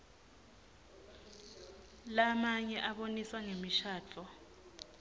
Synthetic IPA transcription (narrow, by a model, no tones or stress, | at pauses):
lamaɲɛʔaɓoniswaŋemiʃaːt͡fʰɔ